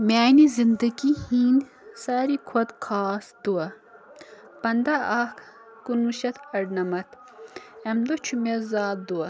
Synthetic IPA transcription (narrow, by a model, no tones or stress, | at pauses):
mʲaːnizind̪ɐɡihiːn | saːɾikʰwɐt̪kʰaːsd̪̥uɐ | pɐnd̪aʔak | kunuʃɐt̪ʰɐɖnɐmɐt̪ | ɐmd̪ot͡ʃʰumezaːd̪d̪uɐ